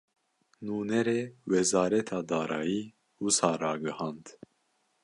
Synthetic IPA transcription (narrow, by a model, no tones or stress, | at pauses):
nuːnɛɾeːwɛzɑːɾɛt̪ʰɑːd̪ɑːɾɑːjiː | wusɑːɾɑːɡɨhɑːnd̪